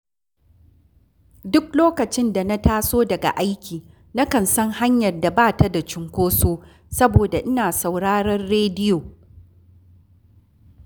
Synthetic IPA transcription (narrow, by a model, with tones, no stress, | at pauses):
dʊ˦kloː˦kɐ˨t͡ʃɪ˦nda˨na˦taː˦soː˦dɐ˨ɡa̰˨ʔa˦jkʲiː˨ | na˦kɐ˨nsɐ˦ŋha˦ɲjɐ˨rda˨baː˦˨ta˦da˨t͡ʃɪ˦ŋkʷoː˦soː˦ | sɐ˦boː˨da˨ʔɪ˦naː˨sa˨wɽaː˦ɽɐ˦rɽeː˦dɪ˦joː˨